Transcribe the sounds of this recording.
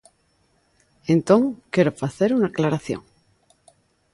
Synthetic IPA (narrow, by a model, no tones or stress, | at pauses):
ẽnt̪õŋkeɾofaθeɾunaklaɾaθjo̰ŋ